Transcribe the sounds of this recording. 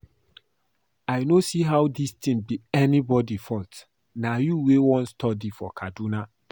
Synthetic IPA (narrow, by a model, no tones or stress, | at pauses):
ajnosiɦawdistʰĩmbiɛnibɔdifɔt | najuwewɔ̃nstʰɔdifɔkʰaduna